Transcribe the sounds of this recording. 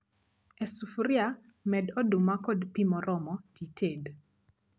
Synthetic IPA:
ɛsufuɾia | mɛdɔdumakodpimɔɾʔɔmɔtitʰed

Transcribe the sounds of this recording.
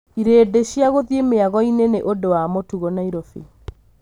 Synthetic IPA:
iɾeːdeɕjaɣoðjemeaɣɔineneʔodowamotuɣɔnaiɾofi

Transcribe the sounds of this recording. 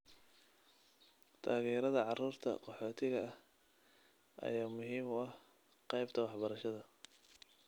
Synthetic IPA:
t̪ʰaːɣɛːɾɐðɐʕɑruːrt̪ʰɐ̰qɔħɔːt̪ʰɪɣɐh | ʔɐ̰jaːmʊɦiːmʊɐh | qɑjbt̪ʰɐwɑħbɐɾɐʃɐðɐ

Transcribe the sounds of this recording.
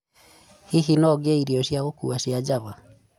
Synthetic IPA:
hiɦinɔɡeiɾiɔʃjaɣokuaʃjad͡ʒaβa

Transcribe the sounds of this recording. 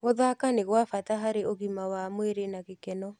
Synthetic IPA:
ɣoðakaneɣwafataɦaɾeoɣimawamweɾenaɣekɛnɔ

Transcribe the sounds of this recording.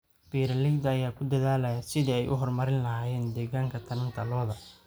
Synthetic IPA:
b̥iːɾɐlɪɡd̪ɐɐjaːkʰʊd̪ɐðaːlɐjasɪðiːɛjʔʊɦɔrmɐɾɪnlɐɦaːjɛːnd̪ɛːɣaːŋkʰɐt̪ʰɐnɐnt̪ʰɐlɔːðɐ

